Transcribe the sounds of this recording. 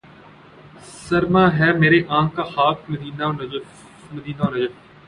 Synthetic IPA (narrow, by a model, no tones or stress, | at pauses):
səɾmaːɦɛːmeːɾeʔãːŋkaːxaːk̚məd̪iːnaːnɐ | məd̪iːnaːnɐd͡ʒə